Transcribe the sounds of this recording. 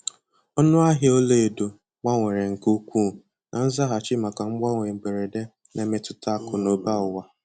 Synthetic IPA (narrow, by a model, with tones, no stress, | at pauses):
ɔ˦nʊ˦a˦ɦɪ˦o˦le˦e˨do˨ | ŋʷa˦ŋʷe˨ɾe˨ŋ̩˨ku˦kʷu˦˨ | nʔa˨n̩˦za˦ɦa˨t͡ʃɪ˦ma˨ka˨ŋ͡m̩˦ɡ͡ba˦ŋʷe˨ɡ͡be˨ɾe˨de˦ | nʔe˨mɪ˦tʊ˦ta˦˨kʊ˨no˨ba˦ʊ˨wa˦